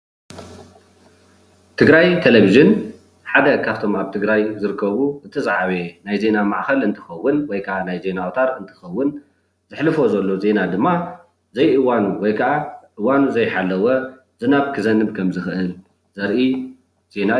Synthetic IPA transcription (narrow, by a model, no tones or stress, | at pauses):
t̪ʰɨɡɾajt̪ʰeleβiʒɨn | ħad̪ɐkʰaβt̪ʰo̞maβt̪ʰɨɡɾajzɨɾɨkʰːɐβuʔɨt̪ʰɐt͡sʼaʕaβenajze̞namaʕxɐlɨnt̪ʰɨ̥xɐwːɨnwɔjkʰɐʔanajze̞nawot̪ʰaɾɨnt̪ʰɨ̥xɐwːʊn | zɨħlɨfo̞zɐlːo̞ze̞nad̪ɨmːa | zɐjʔɨwanuwɔjkʰɐʔaʔɨwːanuzɐjħalːɐwɐ | zɨnaβkʰɨzɐnɨβkʰɐmzɨxɨʔɨl | zɐɾʔi | z̥e̞na